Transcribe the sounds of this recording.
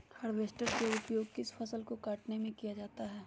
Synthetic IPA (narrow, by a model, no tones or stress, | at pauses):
hɐɾʋeːsʈəɾkeʊpjoːɡ̚kɪspʰɐsəlkokaːʈnemẽkijad͡ʒaːt̪aɦɛː